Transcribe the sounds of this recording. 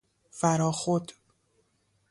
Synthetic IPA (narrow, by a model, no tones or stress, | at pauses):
fæɾɒːxod̪